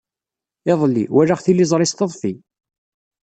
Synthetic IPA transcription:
ɪðˤlːḭwæɾaχθilːizˤɾˤɪst̪əðˤfi

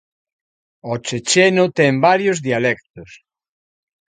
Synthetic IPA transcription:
ot͡ʃet͡ʃenot̪ɛmbaɾjozðialɛk̚t̪os

